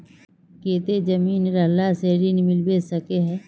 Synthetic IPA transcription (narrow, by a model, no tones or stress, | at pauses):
keːt̪ed͡ʒɐmiːnɾɐlaseɾinmɪlbeːsɐkeɦɛ̃ː